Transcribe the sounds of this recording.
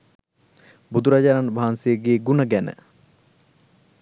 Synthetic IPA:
bud̪uɾad͡ʒaːɾanbʱaːnsejəɡeːɡunəɡænə̰

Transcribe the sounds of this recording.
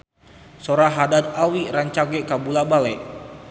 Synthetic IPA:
soɾaɦadad̪̚awiɾaɲt͡ʃaɡɛkabulabalɛʔ

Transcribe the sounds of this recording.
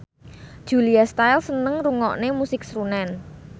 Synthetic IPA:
d̥ʒ̥uliast̪ajlsənəŋruŋɔ̰ʔnemusɪk̚sɾunɛn

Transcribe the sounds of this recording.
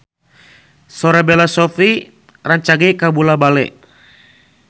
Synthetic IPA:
sɔɾabɛlasɔfi | raɲt͡ʃaɡɛkabulabalɛ̰ʔ

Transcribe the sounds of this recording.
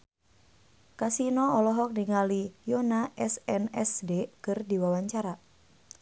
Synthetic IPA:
kasinɔɔlɔɦɔk̚diŋalijɔnaʔɛsɛnɛsdekɨrdiwawaɲt͡ʃaɾa

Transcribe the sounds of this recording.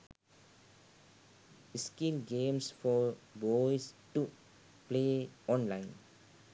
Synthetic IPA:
iskĩmɡẽmsfɔbɔjstu | pleɔ̃nlãɪ̃n

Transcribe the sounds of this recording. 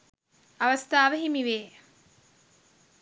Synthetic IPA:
ɐʋɐst̪aːʋəɦimiʋeː

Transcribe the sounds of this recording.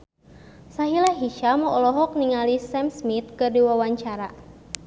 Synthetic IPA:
saɦilaɦiʃamɔʔɔlɔɦɔk̚niŋalisɛmsmit̪̚kərdiwawaɲt͡ʃaɾa̰

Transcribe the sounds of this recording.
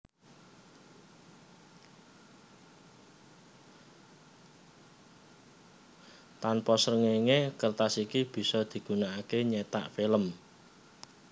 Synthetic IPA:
t̪anpɔsɾəŋeŋekərt̪asikib̥i̤sɔd̪̥i̤ɡ̥ṳnaakeɲet̪a̰ʔfiləm

